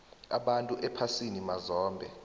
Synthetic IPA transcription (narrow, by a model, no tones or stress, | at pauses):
a̰ɓantʼuʔɛpʰasinimazɔːmbʱɛ